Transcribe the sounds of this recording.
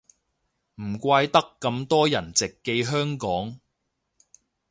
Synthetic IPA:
m̩˨˩kʷaː˧jt̪ɐ˥kːɐ˧mt̪ɔː˥jɐ˨˩nt͡sɪ˨kːe˧jɦœː˥ŋkɔː˨˥ŋ

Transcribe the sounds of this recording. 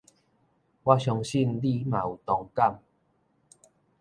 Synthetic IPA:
wa˦ɕjɔ˧ŋɕi˥˧˨nli˥˧˨mã˨u˨t̪ɔ˧ŋka˥˨m

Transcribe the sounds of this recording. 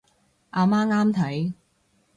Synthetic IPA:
ʔaː˧maː˥ŋaː˥mt̪ʰɐ˨˥j

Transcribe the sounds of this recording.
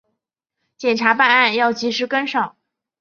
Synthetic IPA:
t͡ɕjɛ˨˩nʈ͡ʂʰa˧˥pa˥˧na˥˩˧njɑ˥˩ʊt͡ɕi˧˥ʂɻ̩˧˥kə˥nʂɑ˨˩˦

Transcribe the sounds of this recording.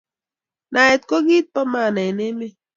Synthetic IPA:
na˨e˨t̚ko˦ɡi˦t̪̚pa˦ma˦˨na˨ne˦me˦

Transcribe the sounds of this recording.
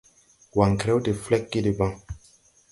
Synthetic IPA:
wa˨ŋ˨kɾɛ˦wdi˨flɛ˦k̚ːi˦di˨bã˦

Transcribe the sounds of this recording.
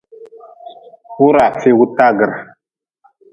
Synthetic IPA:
wu˦ɾa˨fe˦wu˦ta˦ɡə˨ɾ

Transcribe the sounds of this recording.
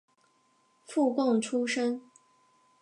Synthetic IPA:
fu˥˧kɑ˥˩ŋʈ͡ʂʰu˥ʂə˥ŋ

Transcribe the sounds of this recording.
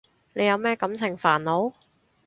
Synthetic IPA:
le˨˧jɐ˨˧wmɛː˥kɐ˨˥mt͡sʰɪ˨˩ŋfaː˨˩nlo˨˧˥w

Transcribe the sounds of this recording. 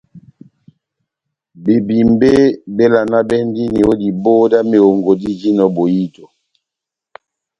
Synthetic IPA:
be˨bi˨mbe˦be˦la˨na˦bɛ˦n˦di˦ni˨o˦di˨bo˦da˦me˨o˨ŋɡo˨di˦d͡ʒi˦nɔ˦bo˨ji˦to˨

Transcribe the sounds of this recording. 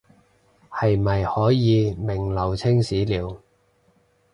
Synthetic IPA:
hɐ˨jmɐ˨jhɔː˨˥jjiː˨˧mɪ˨˩ŋlɐ˨˩wt͡sʰɪ˥ŋsiː˨˥liː˨˥w

